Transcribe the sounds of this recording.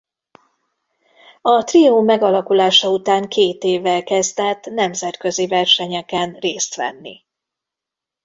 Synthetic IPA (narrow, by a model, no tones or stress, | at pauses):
ɒt̪rioːmɛɡɒlɒkulaːʃɒut̪aːŋkʰeːt̪eːvːɛlkɛzd̪ɛt̪ːnɛmzɛt̪kø̞zivɛrʃɛɲɛkɛnreːst̪ʋɛ̰nːḭ